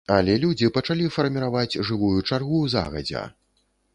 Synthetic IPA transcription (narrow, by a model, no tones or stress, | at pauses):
ɐlʲɛlʲud͡zʲipɐt͡ʂalʲifɐrmʲiɾavad͡zʲʐɨvujut͡ʂarɣuza̰ɣɐ̰d͡zʲɛ̰